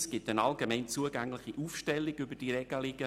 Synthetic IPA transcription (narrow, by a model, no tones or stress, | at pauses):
sɡ̥ɪtənɑlɡemɛɪnt͡suəɡæŋlɪχiʔuːfʃtɛlːɪiɡʏbəd̥iɾɛɡ̥alɪɡ̥ə